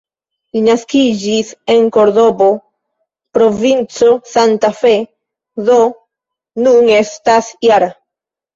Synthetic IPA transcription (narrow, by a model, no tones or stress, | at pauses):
linaskid͡ʒise̞ŋko̞ɾdo̞bo̞ | pɾo̞vint͡so̞santafe | ðo̞ | nune̞stasjaɾa